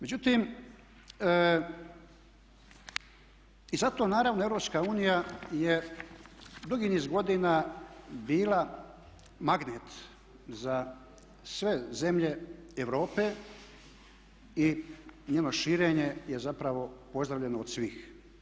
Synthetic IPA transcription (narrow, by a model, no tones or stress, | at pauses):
me̞d͡ʑut̪imː | izat̪o̞ːnaːɾaʋno̞evɾo̞pskauːnijaje | d̪uɡiniːzɡo̞d̪inabiːla | maɡneːt̪ | za | sʋe̞ze̞mʎe̞eʋɾo̞ːpe | iɲeːnoʃiːɾeːɲe̞jezapɾaʋo̞po̞zd̪ɾaʋʎʲe̞nood̪sʋiːx